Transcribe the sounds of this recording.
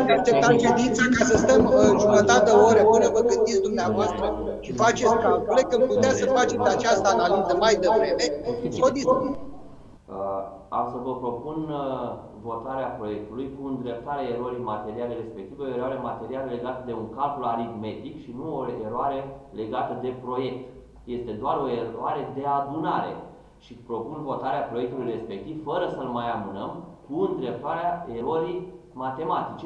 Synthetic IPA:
aakt͡ʃe̞pp̚t̪at̪t͡ʃed̪int̪sikasəst̪əməʒumət̪at̪əoɾəoɾəvəɡɨnd̪it̪sʲd̪umneavoast̪ɾə | ʃifat͡ʃe̞t̪sʲkaolek̚kəmput̪easəfat͡ʃe̞at͡ʃast̪əanalizəmajd̪evɾe̞me̞kod̪is | a̰msəvəpɾo̞pun | vo̞t̪aɾeapɾo̞je̞k̚t̪ulujkuɨnd̪ɾe̞p̚t̪aɾeae̞ɾo̞ɾimat̪e̞ɾialeɾe̞spe̞k̚t̪iveoeɾoaɾemat̪e̞ɾialəle̞ɡat̪əd̪e̞uŋkalkulaɾid̪me̞d̪ikʃinuoe̞ɾoaɾe̞le̞ɡat̪əd̪e̞pɾo̞je̞k̚t̪ | je̞st̪e̞d̪oaro̞e̞ɾoaɾe̞d̪e̞ad̪unaɾe̞̰ | ʃipɾo̞punvo̞t̪aɾeapɾo̞jek̚t̪ulujre̞spe̞k̚t̪ivfəɾəsəlmajamɨnəmkuɨnd̪ɾe̞p̚t̪aɾeaeɾoɾimat̪e̞mat̪it͡ʃe

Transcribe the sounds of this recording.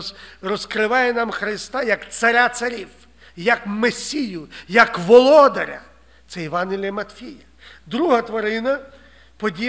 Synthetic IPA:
rɔskɾɪʋɑjɛnɑmxɾɪst̪ɑjɐkt̪sɐɾʲat̪sɐɾʲiw | jɐkmesʲijʊjɐkʋɔlˠɔd̪ɐɾʲɐ̰ | t̪sɛiʋɑnɦʲɪlʲijɐmɐt̪ʲfʲijɐ | d̪ɾuɦɐt̪ʋɐɾɪnɐ | pɔdʲi

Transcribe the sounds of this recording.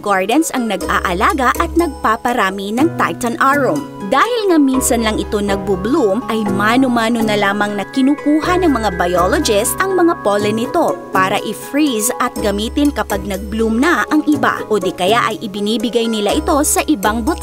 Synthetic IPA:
ɡaɹd̪ɐnsɐŋnɐɡa̰ːʔɐlaːɡɐʔɐt̪̚nɐɡ̚paːpɐɾaːminɐŋt̪a̰jt̪ɐnʔaɹom | d̪aːhɪlŋɐminsɐnlɐŋɪt̪o̞nɐɡ̚bublumʔɐjmaːnʊmaːnonɐlaːmɐŋnɐkɪnuːkuːɦɐnɐŋmɐŋabɐjolod͡ʒɪst̪ʔɐŋmɐŋapolɛnɪt̪o̞paːɾɐʔɪfɹisɐt̪̚ɡɐmiːt̪ɪnkɐpaɡ̚nɐɡ̚blumnɐʔɐŋʔɪba̰ʔoːd̪ɛkɐjaʔɐjʔɪbɪniːbɪɡajnɪlaʔɪt̪o̞sɐʔɪbaŋbʊt̪

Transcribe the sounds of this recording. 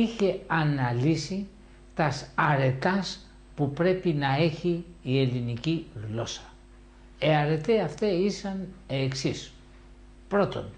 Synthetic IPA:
içe̞ɐnɐlisi | t̪ɐsɐɾe̞t̪ɐs | pupɾe̞pinɐe̞çiːe̞liniciɣlo̞sɐ̥ | eɐɾe̞t̪eɐft̪eisɐneːksis | pɾo̞t̪o̞̰n

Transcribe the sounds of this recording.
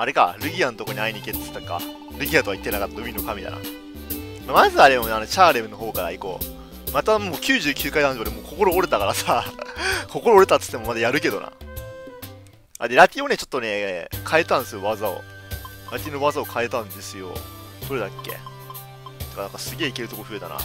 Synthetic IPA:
aɾe̞ka̰ɾɯ̟ɡʲianot̪oko̞ɲiaiɲ̟iket̪t̪ːoka̰ | ɾɯ̟ɡʲiat̪okait̪ːenakat̪ːad̪omʲinokamʲit̪a̰na̰ | mamazɨaɾe̞mo̞nano̞t͡ɕaːɾemɯno̞ɦo̞ːkaɾa̰iko̰ | mat̪amoːkʲɨːʑɨːkʲʰɨːkaid̪anoɾemoːkʰo̞ko̞ɾo̞ːɾet̪akaɾasa | kʰo̞ko̞ɾoːɾet̪at̪ɨ̥t̪ːemo̞mad̪ajaɾɯ̟ke̞d̪o̞̰na̰ | a̰d̪e̞ɾat̪ʲio̞ne̞t͡ɕo̞t̪ːo̞ne̞kʰae̞t̪ãnd̪esɨjoβazao̰ɾat̪ʲino̞βazao̞kʰae̞t̪ãnd̪e̞sɨjo̞̰soɾe̞d̪akʲːe̞̰ | tt̪okanãŋkasɨɡʲe̞ːike̞ɾɯ̟t̪o̞koɸɯ̟e̞t̪a̰na̰

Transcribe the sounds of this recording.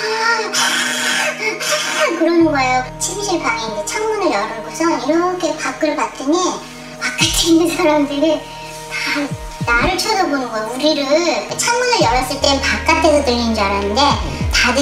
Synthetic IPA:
a | kɯɾʌnɯnɡʌejot͡ɕʰimɕʰiɭpaŋeind͡ʑet͡ɕʰaŋmunɯɭjʌɾɯɭɡosʰʌniɾʌkʰe̞pak͈ɯɭpat͈ɯɲi | pak̚k͈atʰiinːɯnsʰaɾamdɯɾi | ta | naɾɯɭt͡ɕʰʌdʌbonɯnɡʌjouɾiɾɯɭet͡ɕʰaŋmunɯɭjʌɾʌs͈ɯɭt͈e̞pak̚k͈at͈ʰesʰʌtɯʎɯnd͡ʑaɾanɯnde̞tadɯ

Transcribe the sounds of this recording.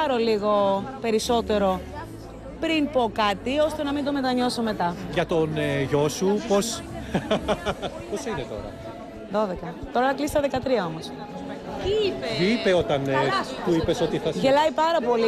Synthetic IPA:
ɐɾo̞liɣo̞pe̞ɾiso̞t̪e̞ɾo̞ | pɾinpo̞kɐt̪io̞st̪e̞nɐmind̪o̞me̞t̪ɐɲo̞so̞me̞t̪ɐʝɐt̪o̞neʝo̞supo̞s | po̞sinet̪o̞̰ɾɐ̰ | ðo̞ðe̞kɐt̪o̞ɾɐɐklist̪ɐðe̞kɐt̪ɾiɐo̞mos | t̪ipipe̞o̞t̪ɐnt̪uipe̞so̞t̪iθɐʝe̞lɐjpɐɾɐpo̞li

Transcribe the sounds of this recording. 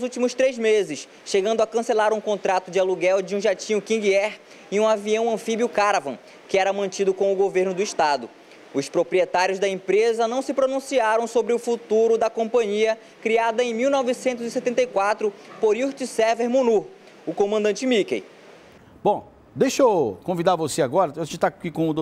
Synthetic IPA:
nʊzuwt͡ʃimʊst̪ɾejzmezɪs | ʃeɡɐ̃nd̪ʊakɐ̃selaɾũkõt̪ɾat̪ʊd͡ʒɪaluɡɛwd͡ʒɪũʒat͡ʃĩʊkĩɡiɛɾ | iũaviɐ̃w̃ɐ̃fibjiʊkaɾavɐ̰̃ | kɪɛɾɐmɐ̃nt͡ʃid̪ʊkõʊɡoveɾnʊd̪ʊiʃt̪ad̪ʊ | ʊspɾopɾiet̪aɾjʊzd̪ɐẽmpɾezɐnɐ̃w̃sɪpɾonũsiaɾɐ̃w̃sobɾɪʊfut̪uɾʊd̪ɐkõmpɐ̃ɲiɐ | kɾiad̪ɐẽj̃miwnɔvɪsẽnt̪ʊzɪset̪ẽnt̪ɐjkwat̪ɾʊpoɾuht͡ʃisɛveɾmũnu | ʊkõmɐ̃nd̪ɐ̃nt͡ʃɪmikḛj | b̥õ | d̪ejʃokõvid̪aɾvoseaɡɔɾɐaʒẽt͡ʃt̪akikõʊd̪o

